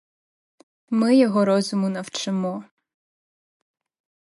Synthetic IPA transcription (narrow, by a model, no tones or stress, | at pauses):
mɪjɔɦɔɾɔzʊmʊnɐwt͡ʃɪmɔ